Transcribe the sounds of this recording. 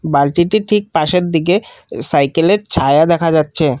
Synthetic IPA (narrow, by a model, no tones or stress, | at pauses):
balʈiʈiʈʰik̚paʃeɾd̪iɡe | sajkeleɾt͡ɕʰaead̪ɛkʰad͡ʑatːɕʰe